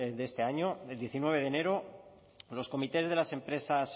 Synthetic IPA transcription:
dðest̪eaɲo̞eld̪je̞θinwe̞β̞e̞ð̞ene̞ɾo | lo̞sko̞mit̪e̞zð̞e̞lase̞mpɾe̞sas

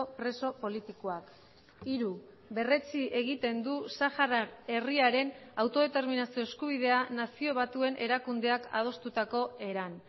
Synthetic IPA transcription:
opɾe̞so̞po̞lit̪ikoak | iɾu | βe̞re̞t͡siʔe̞ɣ̞it̪e̞nd̪usaxarae̞riaɾe̞nawt̪o̞ð̞e̞t̪e̞ɾminasio̞eskuβ̞iðe̞anasio̞β̞at̪ue̞nʔe̞ɾakund̪e̞aka̰ð̞o̞st̪ut̪ako̞e̞ɾan

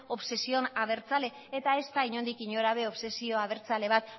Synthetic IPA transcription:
o̞βse̞sionaβ̞e̞ɾt͡sale̞ːt̪ae̞st̪aiɲo̞nd̪ikiɲo̞ɾaβe̞o̞βse̞sio̞aβe̞ɾt͡sale̞β̞at̪

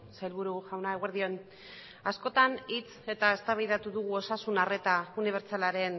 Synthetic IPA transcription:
sajlβuɾuʝawnaeɣe̞ɾðio̞n | asko̞t̪anit͡se̞t̪ae̞st̪aβajðat̪uðuɣuo̞sasunare̞t̪auniβe̞ɾt͡salaɾe̞n

